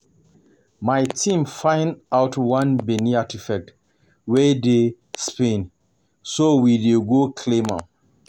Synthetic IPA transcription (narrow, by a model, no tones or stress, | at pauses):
majtʰĩmfãɪ̃nawtwãnbɛniatʰifɛk̚t | wɛde | spẽn | sowideɡokʰlẽmã